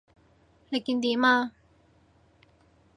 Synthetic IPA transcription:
le˨ki˥˧nd̪i˨ma˥˧

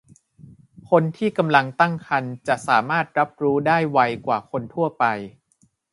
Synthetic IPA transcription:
kʰo˧nt̪ʰiː˥˩ka˧mla˧ŋt̪a˥˩ŋkʰa˧nt͡ɕa˨˩ʔsaː˩˦maː˥˩t̪̚ɾa˦˥p̚ɾuː˦˥daː˥˩jwa˧jkwaː˨˩kʰo˧nt̪ʰu˥˩ɐpa˧j

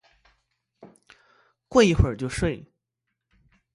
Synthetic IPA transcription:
kwa˥˧i˥˩xwə˨˩t͡ɕjo˥˧ʊʂwe˥˩ɪ

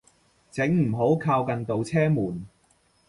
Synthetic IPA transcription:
t͡sɪ˨˥ŋm̩˨˩ɦo˨˥wkʰaː˧wkɐ˨nt̪o˨wt͡sʰɛː˥muː˨˩n

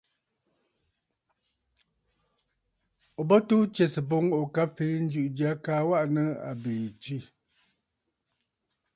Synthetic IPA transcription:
o˨bɔ˦tu˦t͡ʃe˨sɨ˨bo˦ŋ˦ʔo˨ka˦fe˨˦n̩˦d͡ʒʉ˨ʔd͡ʒja˦kaː˨˦wa˦ʔnə˦a̰˨be˨t͡ʃi˦˨

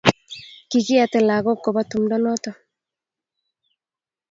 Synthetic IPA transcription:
ki˨kɪ˦a˨t̪ɛ˨la˨ɡɔ˦kːɔ˨ba˦t̪u˨mdɔ˦nɔ˦t̪ɔ˨

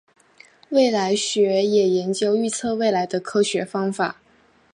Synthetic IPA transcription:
we˥˩ɪla˧˥ɪɕɥɛ˧˥jɛ˨˩jɛ˧˥nt͡ɕjo˥ʊy˥˧t͡sʰɤ˥˧we˥˩ɪla˧˥ɪd̪ə˧kʰɤ˥ɕɥɛ˧˥fɑ˥ŋfa˨˩˦

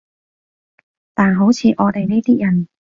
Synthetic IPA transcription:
t̪aː˨˩nɦo˨˥wt͡sʰiː˨˧ʔɔː˨˧t̪e˨˩jniː˥t̪iː˥jɐ˨˩n

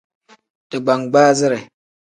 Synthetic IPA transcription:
tɨ˨ɡ͡ba˨ŋɡ͡baː˦zɨ˦ɾe˨

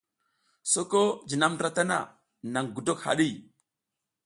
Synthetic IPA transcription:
so˦ko˦d͡ʒi˨na˦mdɾa˦ta˦na̰˨ | na˨ŋɡu˨do˦kha̰˨ɗi˦˨

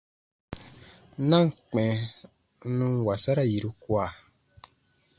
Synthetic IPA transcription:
nã˦ŋ̩˨k͡pɛ̃˨˦ | nũ˧˦wa˨sa˦ɾa˦˨ji˨ɾu˧kwa˨

